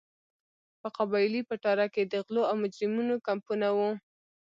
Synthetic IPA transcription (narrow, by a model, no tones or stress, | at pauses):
pəqabɑjlipəʈɑɾaked̪əɣloawmʊd͡ʒɾɪmunokampunawu